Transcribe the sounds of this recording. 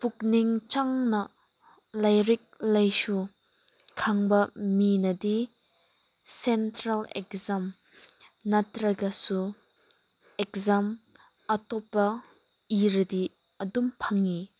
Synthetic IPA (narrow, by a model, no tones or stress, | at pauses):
puk̚niŋt͡ʃaŋnɐ | lɐjɾik̚lɐjsu | kʰaŋbɐminɐd̪i | sɛntɾɐlɛ̰k̚zam | nɐtɾɐɡɐsu | ɛk̚zam | ɐtɔpːɐ | iɾɐd̪i | ɐdumpʰɐŋi